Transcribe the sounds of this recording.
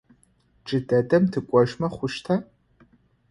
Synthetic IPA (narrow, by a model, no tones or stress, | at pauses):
ʈ͡ʂʼɨdɐdʼɐmtʰɨkʷʼɔʒmɐχʷʊʃtʰɐ